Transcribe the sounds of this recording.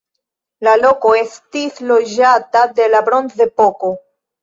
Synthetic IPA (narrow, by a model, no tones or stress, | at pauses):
lalo̞ko̞e̞stislo̞d͡ʒatade̞labɾo̞nze̞po̞ko̞